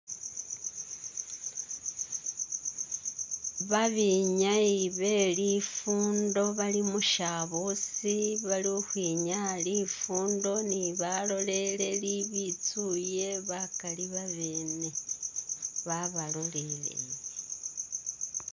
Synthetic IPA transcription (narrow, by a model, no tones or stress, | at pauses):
βaβiɲaiβe̞lifuːndo̞βalimuʃaβosiβalioxwiɲalifuːndo̞niβalo̞le̞le̞liβit͡suje̞βakaliβaβeːne̞ | βaβalo̞lele̞̰jje